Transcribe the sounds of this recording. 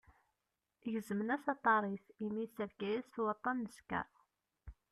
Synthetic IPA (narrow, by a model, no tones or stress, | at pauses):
ʝəzəmənæsɑt̪ˤːɑɾˤiθimisːævɡæjæsθwɑt̪ˤːɑnːəskæ̰